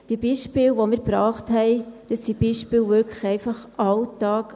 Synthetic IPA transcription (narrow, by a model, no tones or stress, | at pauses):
d̥ibiːʃpɪlʋomɪɾbɾɑːχthɛɪd̥əsːib̥iːʃpɪːlʋøɾkʰə̥xɛɪfɑχʔɑltɑːk